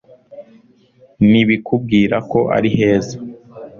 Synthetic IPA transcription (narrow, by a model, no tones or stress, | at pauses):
niβikub̚ɡiːɾako̞ʔa̰ɾihe̞ːze